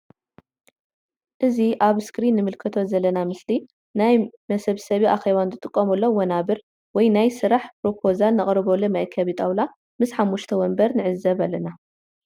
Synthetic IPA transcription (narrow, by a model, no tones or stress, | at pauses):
ʔɨziʔaβskɾinːɨmɨlkʰɐt̪ʰo̞zɐlːɐnamɨsli | najmɐsɐβsɐβiʔaxe̞βanzɨt̪ʼɨkʼːɐmɐlːo̞wɐnaβɨɾ | wɔjnajsɨɾaħpɾo̞pʰo̞zalnɨχʼɾɨβolunajkʰɐβit̪ʼawla | mɨsħamːuʃt̪ʰɐwɔmbɐɾnɨʕɨzːɐβalːɐna